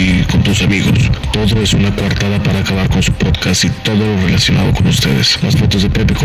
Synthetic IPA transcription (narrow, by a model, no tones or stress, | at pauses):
iko̞nt̪usamiɣo̞̰st̪o̞ðoesunakwaɾt̪aðapaɾaːkaβaɾko̞nsu̥poðkasit̪o̞ðo̞lore̞lasjo̞nʔa̰ðo̞ko̞nust̪e̞̰ðesslasfo̞t̪ozðepep̪eko